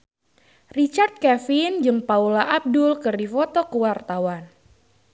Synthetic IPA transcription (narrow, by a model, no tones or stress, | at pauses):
rit͡ʃart̪̚kɛfind͡ʒɨŋpaulaʔab̚dʊlkɨrdifɔt̪ɔkəwart̪awan